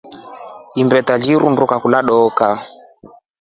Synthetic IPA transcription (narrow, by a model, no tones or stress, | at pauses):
imbɛtad͡ʒiɾundukakulaɗɔka